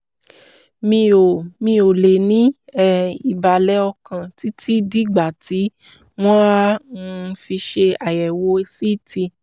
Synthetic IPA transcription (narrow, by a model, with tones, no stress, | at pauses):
mĩ˧o˨mĩ˧o˨le˨nĩ˨˦ɛ˦˨i˨ba˨lɛ˨˦ɔ˧kã˧ti˨˦tʰi˦di˦ɡ͡ba˨ti˨˦ | w̃ɔ̃˦˧fi˧ʃe˧a˨jɛ˨wo˧˦˧si˦˨ti˧